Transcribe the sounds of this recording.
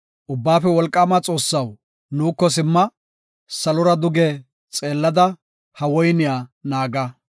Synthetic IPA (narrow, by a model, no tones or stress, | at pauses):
ʔʊbːaːfɛwɔlkʼːaːmat͡sʼo̞ːsːɐw | nuːkːɔs̬ɪmːɐ | sɐlʊɾɐd̪ʊɡɛ | t͡sʼe̞ːlːɐd̪ɐ | hɐwɔjnɪjaːnaːɡɐ